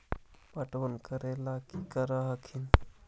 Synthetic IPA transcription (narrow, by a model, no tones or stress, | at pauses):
paʈʋənkəɾelakikəɾaɦakʰin